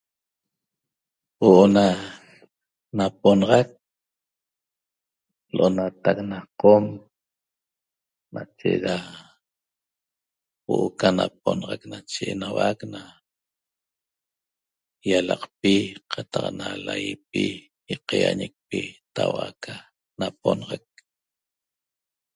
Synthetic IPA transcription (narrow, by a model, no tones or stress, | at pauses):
woʔona | nap̚onɑʁɑk̚ | lʔonat̪ak̚naqom | nat͡ʃeɾa | woʔokanap̚onʁaknat͡ʃeenawakna | jalɑqpiqʰɑt̪ɑqnalajipi | jiqɑjaɲek̚pit̪awakʰa | naponɑʁak̚